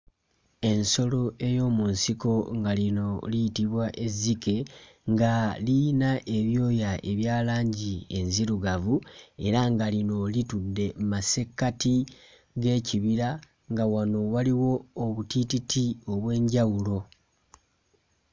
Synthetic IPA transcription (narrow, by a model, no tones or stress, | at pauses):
e̞nso̞lo̞ʔe̞jo̞ːmunsiko̞ŋɡalino̞lijitiβwaʔe̞zike̞ | ŋɡalinaʔe̞βjo̞ːjaʔe̞βjaːlaːɲɟie̞nziɾuɡavue̞ɾaŋɡalino̞litudːe̞mase̞kːati | ɡe̞ːciβiɾa | ŋɡawano̞waliwo̞ːβutititʰio̞βwe̞ːɲɟawulo̞